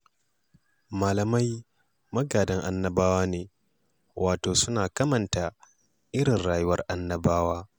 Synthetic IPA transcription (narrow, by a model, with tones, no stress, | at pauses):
maː˨lɐ˨ma˦j | mɐ˦ɡaː˨dɐ˦ŋʔa˦nːɐ˦baː˦waː˦neː˨ | wʔaː˨toː˨sʊ˦naː˨kɐ˦mɐ˨nta˨ | ʔɪ˦ɽɪ˨nɽaː˨jʊ˦wɐ˦rʔa˦nːɐ˦baː˦waː˦